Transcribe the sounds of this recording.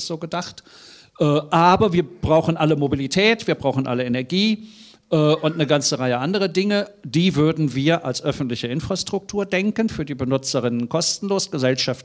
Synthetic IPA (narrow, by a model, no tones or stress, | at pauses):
z̥oːɡədaχt | ʔɛːʔaːbɐviːɐb̥ʁaʊxn̩ʔaləmobilitʰɛːtv̥iːɐbʁaʊxn̩ʔa̰ləenɛɐɡiː | ʔɛːʔʊntnəɡant͡səʁaɪəʔandəʁ̞ədɪŋəd̥iːvʏɐdn̩viːɐʔalsʔœfn̩tlɪçəʔɪnfʁ̥astʁ̥ʊk̚tʰuːɐdɛŋkənfyːɐdiːbənʊt͡səʁɪnənkʰɔstn̩loːsɡ̥əzɛlʃaft